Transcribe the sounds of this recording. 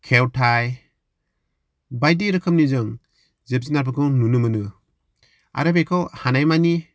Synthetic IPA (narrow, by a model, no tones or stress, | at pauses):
kʰewtʰaj | bajdiɾɯkʰɯm̚nizɯŋ | zeb̚zinaɾbʰɯɡɯŋnunɯmɯnɯ | a̰ɾɯbejkʰɔwhanajmani